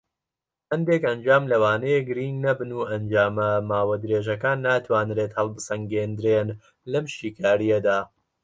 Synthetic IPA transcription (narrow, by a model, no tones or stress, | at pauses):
hɐnd̪ekɐnd͡ʒaːmlɐwaːnejeɡɨɾiŋɡnɐbɨnuːʔɐnd͡ʒaːmɐmaːwɐd̪ɾeːʒɐkaːnːaːt̪waːnɾeːt̪hɐlˠbɨsɐŋɡeːnd̪ɾeːn | lɐmʃiːkʰaːɾijɐd̪aː